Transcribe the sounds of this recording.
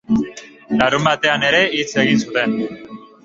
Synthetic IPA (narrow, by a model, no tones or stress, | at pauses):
laɾumat̪eaneɾe̞it͡sʰeɣisut̪en